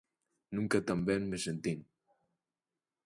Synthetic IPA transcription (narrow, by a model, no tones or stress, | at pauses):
nuŋkat̪ambɛnmesent̪iŋ